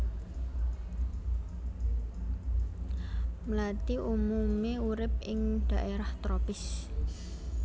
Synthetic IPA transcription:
mlat̪iʔumumeuɾɪp̚ɪŋɖ̪̥ä̤ʔeɾaht̪ɾopɪs

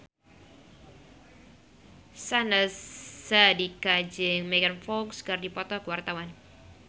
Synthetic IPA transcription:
sanəsːadikad͡ʒɪŋmeɡanfɔkskərdipɔt̪ɔkəwart̪awan

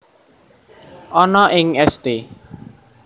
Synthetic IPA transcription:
ʔɔnɔʔɪŋɛst̪e

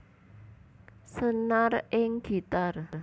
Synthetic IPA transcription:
sənarɪŋɡ̥i̤t̪ar

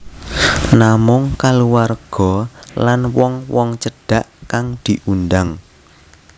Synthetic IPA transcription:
namʊŋkaluwarɡ̥ɔlanwɔŋwɔŋt͡ʃəɖ̥a̤ʔkaŋd̪̥iʔundaŋ

